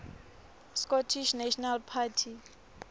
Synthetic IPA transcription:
skɔtʰiʃnaʃɔnalpʰatʰi

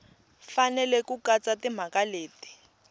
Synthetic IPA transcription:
fanɛlɛkukat͡satim̤akaleːti̥

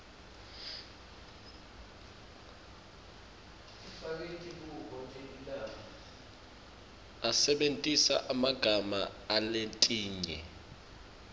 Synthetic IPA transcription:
ifak̬etʰʼik̬ukɔt͡ʃʼelilaːmɔ | asɛɓentʼisa̰ʔamaɡ̥ʱama̰alentʼiːɲɛ̰

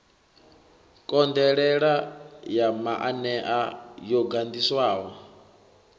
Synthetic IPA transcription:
kʼɔnd̪ɛɺɛɺajamaʔanɛʔajɔɡand̪iswaːwɔ

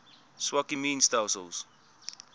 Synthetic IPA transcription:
swakimiːnstalsəls

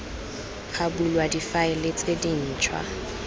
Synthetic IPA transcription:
χʰabulwadifaɪlet͡sʼedin̩ːt͡ʃʰwa̰

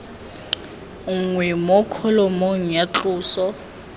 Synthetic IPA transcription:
ŋwɛmɔkʰɔlɔmɔŋ̩jat͡ɬʼuːsɔ

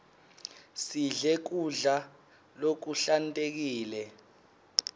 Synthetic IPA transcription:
siɮɛk̬uɮa | lok̬uɬantʼek̬iːlɛ

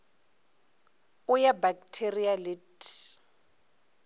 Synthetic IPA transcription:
ʊjabak̚tʰerialit

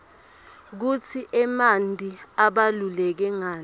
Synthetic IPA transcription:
k̬utʰiʔɛmantʼiaɓalulɛk̬ɛŋaː

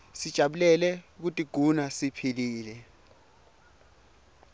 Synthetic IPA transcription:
sid̥ʒ̥ʱaɓulɛlɛk̬utʼiɡ̥ʱunasipʰiliːlɛ

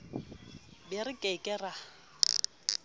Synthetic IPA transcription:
bɪrɪkʼekʼɛra

